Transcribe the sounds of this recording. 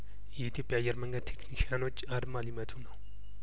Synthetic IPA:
jit̪ʰipjajɐɾmɐŋɡɐt̪ʰikʰniʃanot͡ʃːaɾmalimɐt̪ʰuna

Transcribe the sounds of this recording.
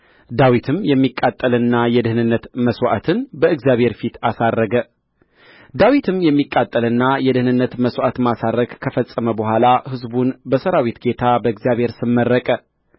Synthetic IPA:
d̪awit̪ʰɨmjɛmːikʼːat̪ʼːəlɨnːajɛd̪ɨhnɨnːət̪məswʷa̰t̪ʰɨnbəɨɡzjaβhe̞ɾfit̪asarːəɡə | d̪awit̪ʰɨmjɛmːikʼːat̪ʼːəlɨnːajɛd̪ɨhnɨnːət̪məswʷat̪masaɾəkkʰəfəsʼːəməbəhʷalahɨzbunbəsəɾawit̪ɡe̞t̪ʰabəɨɡzjaβhe̞ɾsɨmːərːəkʼə

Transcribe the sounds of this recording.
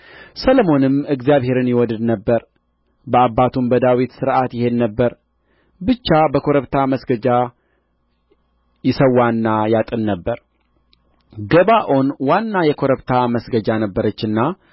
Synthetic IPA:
sələmo̞nɨmɨɡzjaβhe̞ɾɨnjɪwɔd̪ɨd̪nəbːəɾ | bəabːat̪ʰumbəd̪awit̪sɨɾʔat̪jɪhe̞nːəbːəɾ | bɨt͡ʃːabəkʰo̞ɾəβt̪ʰaməsɡəd͡ʒa | jɪsəwːanːajat̪ʼɨnːəbːəɾ | ɡəβaʔo̞nwanːajɛkʰo̞ɾəβt̪ʰaməsɡəd͡ʒanəbːəɾət͡ʃːɨnːa

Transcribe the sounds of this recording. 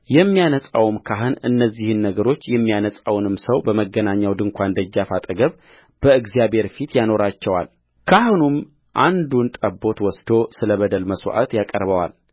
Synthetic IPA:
jɛmːijanəsʼawmkʰaɦɨnɨ̰nːəzːihɨnːəɡəɾo̞t͡ʃːjɛmːijanəsʼawnɨmsəwbəməɡːənaɲːawd̪ɨŋkʷʰand̪əd͡ʒːafat̪ʼəɡəβ | b̥əɨɡzijabhe̞ɾfit̪jano̞ɾat͡ʃːɛwa̰l | kʰahɨnum | ʔand̪unt̪ʼəbːo̞t̪wɔsd̪o̞sɨləβəd̪əlməsw̰ʔa̰t̪jakʼəɾβəwa̰l

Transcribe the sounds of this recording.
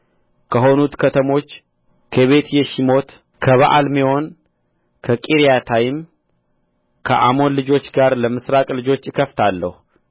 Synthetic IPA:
kʰəɦo̞nut̪kʰət̪ʰəmo̞t͡ʃː | kʰəβe̞t̪jɛʃimo̞t̪ | kʰəβaʔalmiho̞n | kʰəkʼiɾijat̪ʰajɪm | kʰəʔamo̞nlɨd͡ʒo̞t͡ʃːɡaɾləmɨsɾakʼlɨd͡ʒo̞t͡ʃːɨkʰəft̪ʰalːəhu

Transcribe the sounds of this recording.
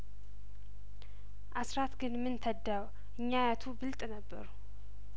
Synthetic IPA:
ʔasɾat̪ɡɨnmɨnt̪ʰəd̪ːaw | ʔɨɲːajat̪ʰubɨlt̪ʼnəbːə̰ɾu

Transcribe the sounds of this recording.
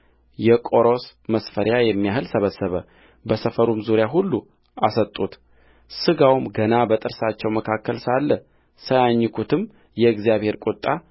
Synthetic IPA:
jɛkʼo̞ɾo̞sməsfəɾjajɛmːijahɨlsəβəsːəβə | bəsəfəɾumzuɾjaɦulːu | asət̪ʼːut̪ | sɨɡawmɡənabət̪ʼɨɾsat͡ʃːɛwməkʰakːəlsalːə | səjaɲːɨkʰut̪ʰɨm | jɛɨɡzijaβhe̞ɾkʼut̪ʼːa

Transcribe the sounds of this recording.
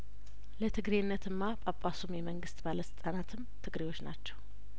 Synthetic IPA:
lət̪ʰɨɡɾenːət̪ɨnːapʼapʼːasumjɛməŋɡɨst̪ʼbaləsɨt̪ʼanat̪ʰɨmt̪ʰɨɡɾewo̞t͡ʃːnat͡ʃːɛ̥w

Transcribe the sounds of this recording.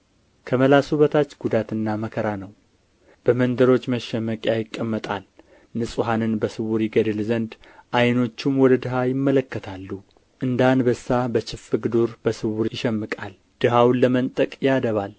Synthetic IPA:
kʰəməlasuβət̪ʰat͡ʃːɡud̪at̪ɨnːaməkʰəɾanəw | b̥əmənd̪əɾo̞t͡ʃːməʃːɛmːəkʼjajɪkʼːəmːət̪ʼal | nɨsʼuɦanɨnbəsɨwuɾjiɡəd̪ɨlzənd̪ | ʔajno̞t͡ʃːumwɔd̪əd̪ɨɦajɪmːələkːət̪ʰalːu | ʔɨnd̪anbəsːabət͡ʃɪfɨɡɨd̪uɾb̥əsɨwuɾjɪʃɛmːɨkʼal | d̪̥ɨɦawnːəmənt̪ʼəkʼjad̪əβal

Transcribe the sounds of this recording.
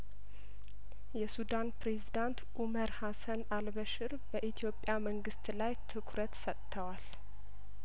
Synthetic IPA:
jɛsud̪anpɾezid̪ant̪ʔuməɾhasənalbəʃɪɾbəʔit̪ʰijo̞pʼːjaməŋɡɨst̪lajt̪ʰɨkʰɾət̪sət̪ʼt̪ʰːəwal

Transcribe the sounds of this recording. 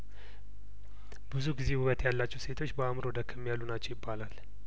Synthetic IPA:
bɨzuɡize̞huβət̪jalːat͡ʃːɛwse̞t̪ʰo̞t͡ʃːbəamɾo̞d̪əkʰːəmːijalːunat͡ʃːɛwjɪbːalal

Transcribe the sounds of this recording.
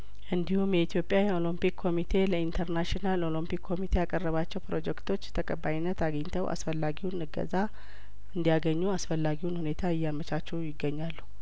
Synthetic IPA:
ʔɨnd̪ihumjɛit̪jo̞pʼjajɛo̞limpikʰːo̞mit̪ʰe̞ləint̪ʰəɾnaʃinalo̞limpikʰːo̞mit̪ʰe̞jakʼərːəβat͡ʃːɛwpɾo̞d͡ʒɛkt̪ʰo̞t͡ʃːt̪ʰəkʼəbːajinːət̪aɡəɲt̪ʰəwʔa̰sfəlːaɡiwnɨɡə̰za | ʔɨnd̪ijaɡəɲːuasfəlːaɡiwnhune̞t̪ʰaɨjːamət͡ʃat͡ʃːɛwjɪɡːəɲːalːu

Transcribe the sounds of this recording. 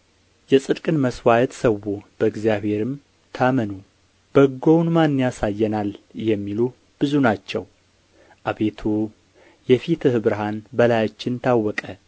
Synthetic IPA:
jɛsʼɨd̪kʼɨnməswajɛt̪səwːub̥əɨɡzijaβhe̞ɾɨm | t̪ʰamənu | b̥əɡownmanːjasajːɛnaljɛmːilu | b̥ɨzunat͡ʃːɛw | ʔaβe̞t̪ʰu | jɛfit̪ʰɨhɨbɾɨɦanbəlajat͡ʃːɪnt̪ʰawːɔkʼə

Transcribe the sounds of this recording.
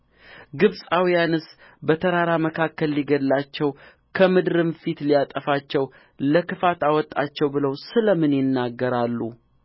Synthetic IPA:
ɡɨβsʼawijanɨs | bət̪ʰəɾaɾaməkʰakːəlːiɡəd̪lat͡ʃːɛw | kʰəmɨd̪ɾɨmfit̪lijat̪ʼəfat͡ʃːɛw | ləkɨfat̪awɔt̪ʼːat͡ʃːɛwbɨləwsɨləmɨnjɪnːaɡːəɾalːu

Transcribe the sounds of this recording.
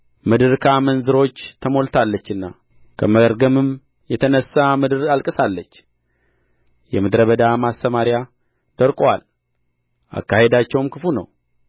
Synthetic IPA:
mɨd̪ɨɾkʰamənzɨɾo̞t͡ʃːt̪ʰəmo̞lt̪ʰalːət͡ʃːɨnːa | kʰəməəɾɡəmɨm | jɛt̪ʰənəsːamɨd̪ɨɾalkʼɨsalːət͡ʃː | jɛmɨd̪ɾəβəd̪amast̪əmaɾja | d̪̥əɾkʼwa̰l | ʔa̰kːahe̞d̪at͡ʃːɛwmkɨfunə̰w

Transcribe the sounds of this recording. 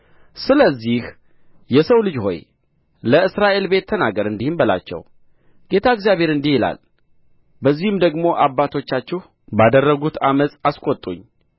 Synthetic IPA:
sɨləzːih | jɛsəwlɨd͡ʒho̞̰j | ləɨsɾaʔe̞lbe̞t̪ʰːənaɡəɾɨnd̪ihɨnbəla̰t͡ʃːɛ̰w | ɡ̥e̞t̪ʰaɨɡzjaβe̞ɾɨnd̪ihɪla̰l | bəzːihɨmd̪əɡmo̞ʔabːat̪ʰo̞t͡ʃːat͡ʃːɛh | bad̪ərːəɡut̪aməsʼaskʷʼot̪ʼːuɲː

